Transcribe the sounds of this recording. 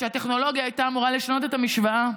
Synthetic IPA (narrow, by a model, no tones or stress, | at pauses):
ʃeat̪e̞χno̞lo̞ɡjaːjt̪aːmuʁaleʃano̞t̪e̞t̪amiʃvaa